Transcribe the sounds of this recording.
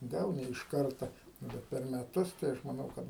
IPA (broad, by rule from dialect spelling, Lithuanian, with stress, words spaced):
ˈɡɐlˠ nʲɛ ɪʃ ˈkɐrtɐ ˈnʊ bʲɛt pʲɛr mʲɛˈtʊs tɐɪ ˈɐʃ mɐˈnɐʊ ˈkɐt